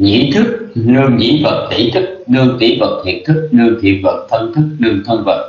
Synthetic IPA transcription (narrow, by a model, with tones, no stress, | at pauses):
ɲḭ˧˥t̪ʰɨ˦˥k̚lɨ˧əŋɲḭ˧˥və˨˩t̚t̪ʰḭ˧˩t̪ʰɨ˦˥k̚nɨ˧əŋt̪ḭ˧˩˦və˨˩t̚t̪ʰḭ˨˧˩nt̪ʰɨ˦˥k̚nɨ˧əŋt̪ʰḭ˧˨˩ənvə˨˩t̚t̪ʰə˧nt̪ʰɨ˦˥k̚nɨ˧əŋt̪ʰə˧nvə̰˨˩t̚